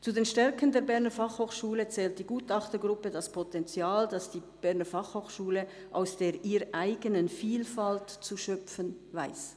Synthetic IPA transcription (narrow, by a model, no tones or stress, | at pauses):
t͡sudeːnʃtɛʁkəndeːɐbɛʁnəfɑχhoːχʃuːlət͡sɛːlt̚d̥iːɡuːtɑχtəɡʁʊpədaspʰɔtɛnt͡sjaːldɑsd̥iːb̥ɛɐnəfɑχhoːxʃuːlə | ʔaʊsd̥eːʔiːɾʔaɪɡənənfiːlfaltt͡suʃœpfənvaɪs